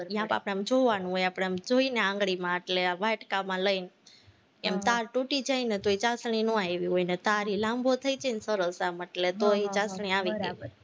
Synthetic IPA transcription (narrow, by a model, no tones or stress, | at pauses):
jãpa̰pɳ̃eemd͡ʒoʋanũɦojapɽ̃emd͡ʒoineãŋɡɭimãəʈleaʋaʈkamãləin | emt̪aɾʈuʈid͡ʒainet̪oit͡ʃasɳ̃inũaeʋiɦoinet̪aɾilãmbʱot̪ʰəid͡ʒensəɾəsaməʈlet̪oit͡ʃasɳ̃iaʋiɡe